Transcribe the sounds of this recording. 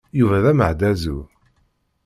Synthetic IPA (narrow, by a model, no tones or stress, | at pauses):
juvæðæməʕd̪æzṵ